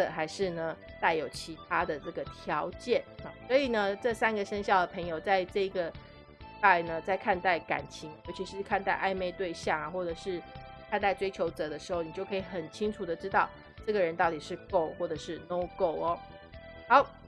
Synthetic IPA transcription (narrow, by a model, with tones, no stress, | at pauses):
ə˨˩xa˧˥ɪʂɻ̩˥˩nə˩ | t̪a˥˩ɪjo˨˩ʊt͡ɕʰi˧˥t̪ʰa˥d̪ə˨ʈ͡ʂɤ˥˩ɡə˩t̪ʰjɑ˧˥ʊt͡ɕjɛ˥˩nɐ˨˩swɔ˧˥i˨˩nə˦ʈ͡ʂɤ˥˩sa˥nɡə˨ʂə˥ŋɕjɑ˥˩ʊd̪ə˩pʰɤ˧˥ŋjo˨˩ʊt͡sa˥˧ɪʈ͡ʂɤ˥˩i˧˥ɡə˨ | t̪a˥˩˨nə˦t͡sa˥˧ɪkʰa˥˧nt̪a˥˩ɪka̰˨˩nt͡ɕʰi˧˥ŋjo˧ʊt͡ɕʰi˧˥ʂ̩ɻ̩˥˧kʰa˥˧nt̪a˥˧ɪʔa˥˧ɪme˥˧ɪt̪we˥˧ɪɕjɑ˥˩ŋa˩xwɔ˥˩ʈ͡ʂɤ˨˩ʂɻ̩˥˩ | kʰa˥˧nt̪a˥˩ɪʈ͡ʂwe˥ɪt͡ɕʰjo˧˥ʊt͡sɤ˧˥˦d̪ə˧ʂɻ̩˧˥xo˥˩ʊni˨˩t͡ɕjo˥˩ʊkʰi˨˩xə˨˩nt͡ɕʰi˥ŋʈ͡ʂʰu˨˩d̪ə˩ʈ͡ʂɻ̩˥t̪ɑ˥˧ʊ | ʈ͡ʂɤ˥˩ɡə˩ɻə˧˦nt̪ɑ˥˩ʊt̪i˨˩ʂɻ̩˥˧ko˥˧ʊxwɔ˥˩ʈ͡ʂɤ˨˩ʂɻ̩˥˩no˥ʊko˥˩ʊɐ˨˩ | xɑ˧˥ʊ